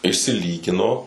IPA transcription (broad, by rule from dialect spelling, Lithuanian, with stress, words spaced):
ɪʃʲsʲɪˈlʲiːɡʲɪnoː